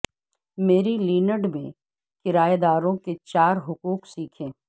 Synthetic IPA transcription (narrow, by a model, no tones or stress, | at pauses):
meːɾiliːnəɖmẽ | kɪɾaːed̪aːɾõket͡ʃaːɾɦʊkuːksiːkʰẽː